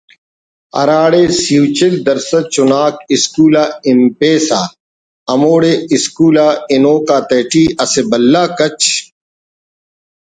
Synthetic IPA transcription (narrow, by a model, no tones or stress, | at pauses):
ɐ̰ɾaːɽesuːt͡ɕekd̪ɐɾsɐt͡ʃʊnaːkiskuːlaːimpeːsaː | ɐmoːɽeːiskuːlaːinoːkaːt̪eːʈiːɐsebɐlːaːkɐt͡ɕ